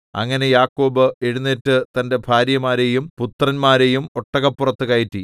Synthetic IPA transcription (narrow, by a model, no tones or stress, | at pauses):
ɐ̰ŋːɐne̞jaːkːo̞ːbɨeɻunːitːɨt̪ɐnde̞bʱaːɾjɐmaːɾe̞jumput̪rɐnmaːɾe̞jumo̞ʈːɐɣɐpːurɐt̪ːɨkɐjitːi